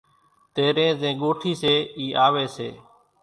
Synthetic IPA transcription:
t̪eːɾẽːzẽːɠoːʈʰiːseːiːʔaːʋeːseː

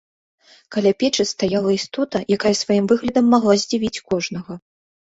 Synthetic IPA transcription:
kalʲapʲɛt͡ʂɨst̪ajalˠɐist̪ɔt̪ɐjakajɐsvajimvɨɣlʲɐd̪ɐmːaɣlˠazʲd͡zʲivʲit͡sʲkɔʐnɐɣɐ

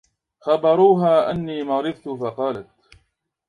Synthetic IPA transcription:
xɑbɑɾˤuːɦaːʔa̰nːiːmɑɾɪðt̪ʊfɑqɑːlat̪

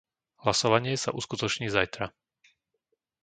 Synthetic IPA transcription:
ɦlasɔʋaɲɪɛsa̰ʔuskut̪ɔt͡ʃɲiːzajt̪ɾa

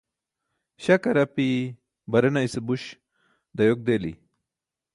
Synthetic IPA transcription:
ɕɐkɐɾɐpi | bɐɾɐnaisebuɕ | d̪ɐjok̚d̪elḭ

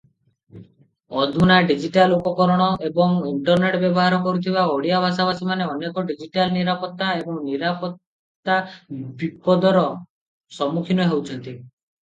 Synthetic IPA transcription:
ɔd̪ʱunaɖid͡ʒiʈalupɔkɔɾɔɽ̃ɔʔebɔŋiɳʈɔɾneʈbjɔbɔɦaɾɔkɔɾut̪ʰibaoɽijabʱasabasimaneɔnekɔɖid͡ʒiʈalniɾapɔt̪ːaebɔŋniɾapɔt̪ː | abipɔd̪ɔɾɔ | sɔmukʰinɔɦewt͡ʃʰɔnt̪i

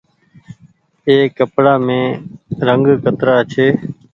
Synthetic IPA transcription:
eːkəpɽaːmẽːɾəŋɡkət̪ɾaːt͡ʃʰeː

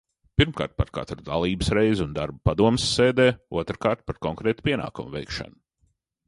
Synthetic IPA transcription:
piɾmka̰ːɾt̪̚pa̰ɾka̰t̪ɾud̪alˠiːbɨsɾɛjzund̪aɾbupad̪uɔmsːeːd̪ɛːuɔt̪ɾkaːɾt̪̚paɾkɔŋkɾɛːt̪pʲiɛna̰ːkumvɛjkʃa̰nʊ

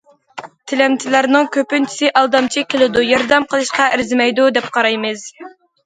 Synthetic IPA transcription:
t̪ʰɪlɛmt͡ʃ̪ʰɪlæɾnɨŋkʲʰøpynt͡ʃʰi̥sɪʔɑlˠd̪ɑmt͡ʃʰikʲʰelˠɪd̪ujɑɾd̪ɛmqʰəlˠɨʃqɑʔɪɾzɪmɛjd̪ud̪ɛp̚qʰɑɾɑjmɨz̥

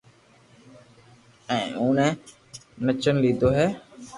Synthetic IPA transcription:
ɛ̃ːũːnɛ̃ː | nət͡ʃənliːd̪ʱoːɦɛː

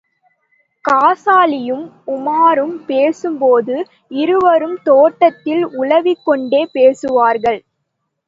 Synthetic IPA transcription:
kaːsaːlɪjɯm | ʊmaːɾɯmpeːsɯmpoːðɯ | ɪɾɯʋɐɾɯmt̪oːʈːɐt̪ːɪlʊlɐʋɪkːɔɳɖeːpeːsɯʋaːɾɣɐɭ

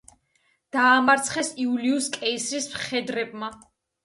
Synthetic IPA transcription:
d̪̥aːmaɾt̪sʰχɛsiuliuskʼɛisɾismχɛd̪ɾɛb̚ma

